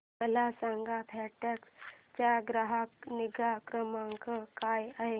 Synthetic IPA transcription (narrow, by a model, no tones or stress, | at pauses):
məlasãŋɡapʰɛʈakst͡ɕaɡɾaɦakniɡakɾəmaŋkəkajaɦe